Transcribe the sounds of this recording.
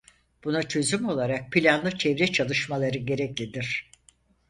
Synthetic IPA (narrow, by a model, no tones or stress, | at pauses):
b̥unat͡ʃʰø̞zymo̞lˠaɾak̚pʰilʲanlˠɯt͡ʃʰɛvɾɛt͡ʃʰalˠɯʃmalˠaɾɯɟe̞ɾɛclʲid̪iɾ̥